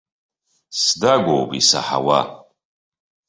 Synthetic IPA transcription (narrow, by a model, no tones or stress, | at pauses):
sdaɡʷowbisa̰ħa̰wa̰